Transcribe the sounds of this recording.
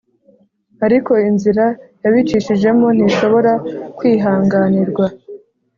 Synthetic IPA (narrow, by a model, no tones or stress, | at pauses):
aɾiko̞inziɾajaβit͡ʃiʃiʒe̞mo̞n̥iʃo̞βo̞ɾakwiːɦaːŋɡaːniɾɡwa